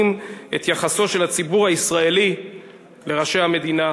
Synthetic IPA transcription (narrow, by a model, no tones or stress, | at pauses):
net̪jaχaso̞ʃe̞lhat͡sibuʁhaisʁaeli | le̞ʁaʃejhame̞d̪ina